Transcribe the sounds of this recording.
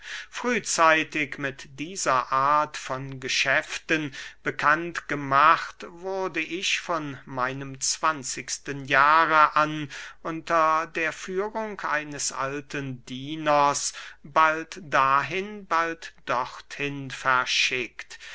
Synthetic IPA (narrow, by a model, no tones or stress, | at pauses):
fʁ̥yːt͡saɪtɪkmɪtd̥iːzɐʔaːɐtfɔnɡəʃɛftənb̥əkʰantɡ̥əmaχtvʊɐdəʔɪçfɔnmaɪnəmt͡sv̥ant͡sɪçstənjaːʁəʔanʔʊntɐdeːɐfyːʁʊŋkʰʔa̰ɪnəsʔa̰ltʰəndiːnɐsb̥altd̥aːɦɪnbaltd̥ɔχthɪnfɛɐʃɪkt